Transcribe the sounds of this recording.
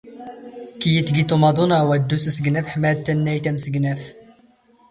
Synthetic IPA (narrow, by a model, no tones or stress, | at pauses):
kijət̪ːɡit̪umɑd̪ˤunwæd̪ːususəɡnæfħmæd̪̚t̪ːænːæjt̪æmsəɡnæf